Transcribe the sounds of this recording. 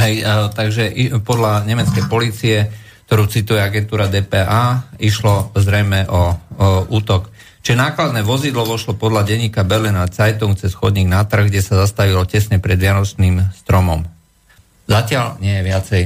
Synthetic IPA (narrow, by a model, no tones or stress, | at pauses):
ɦɛjt̪aɡʒɛʔipɔd̪laɲɛmɛt͡skɛjpɔliːt͡siɛk̚t̪ɔɾuːt͡sit̪ujɛaɡɛnt̪uːɾad̪ɛːpɛʔaːiʃlɔzɾɛjmɛʔɔ | uːt̪ɔk | t͡ʃiʒɛnaːklad̪nɛʋɔzid̪lɔʋɔʃlɔpɔd̪laɟɛɲːiːkabɛlɛnat͡sajt̪uŋk̚t͡sɛsxɔd̪ɲiːɡnat̪r̩ɣɡɟɛsazast̪aʋilɔcɛsɲɛpɾɛd̪ʋɪanɔt͡ʃniːmst̪ɾɔmɔm | zacɪalɲɪɛjɛʋɪat͡sɛj